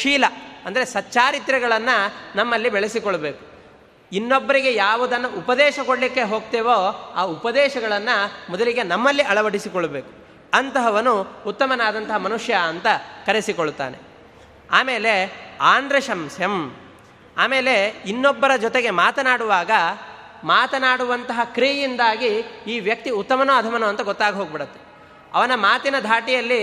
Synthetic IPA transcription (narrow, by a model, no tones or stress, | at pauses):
ʃiːlɐɐnd̪ɐɾe̞sɐt͡ʃːt͡ʃːaːɾit̪ɾɐɡɐɭɐnːɐnɐmːɐlːibeɭesikoɭːubeːku̥ | inːobːɐɾiɡe̞jaːʋud̪ɐnːɐʔupɐd̪ɛːʃɐkoɽlikːe̞ɦoːɡ̚t̪eːʋoːaːupɐd̪ɛːʃɐɡɐɭɐnːɐmɔd̪ɐliɡe̞nɐmːɐlːiʔɐɭɐʋɐʈisikoɭːubeːku̥ | ɐnt̪ɐɦɐʋɐnuːt̪ːɐmɐnaːd̪ɐnt̪ɐɦɐmɐnuʂjɐːnt̪ɐkɐɾesikoɭut̪ːa̰ːne | aːmeːle̞aːnɖɾɐʃɐmsjɐm | aːmeːle̞inːɔbːɐɾɐd͡ʒɔt̪eɡe̞maːt̪ɐnaːɽuʋaːɡɐ | maːt̪ɐnaːɽuʋɐnt̪ɐɦɐkɾiːjind̪aːɡiiːʋjɐk̚t̪iut̪ːɐmɐnoɐd̪ʱɐmɐnoɐnt̪ɐɡɔt̪ːaːɡiɦo̞ːɡbiɽɐt̪ːe | ɐʋɐnɐmaːt̪inɐd̪ʱaːʈijɐlːi